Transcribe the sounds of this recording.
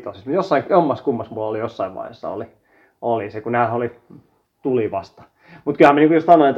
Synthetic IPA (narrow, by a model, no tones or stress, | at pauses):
t̪osist̪mut̪josːɑiŋjomːɑskumːɑsmuɑlolijosːɑiʋʋɑ̰ihḛsːɑ̰o̰li | olisekunæːholi | t̪uliʋɑst̪ɑ̥ | mut̪kylhæmæniŋkujost̪ɑnoet̪